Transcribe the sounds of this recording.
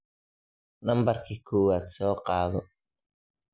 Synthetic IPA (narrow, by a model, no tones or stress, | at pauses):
nambaɾkikʰuːwat͡soqʼɑːðo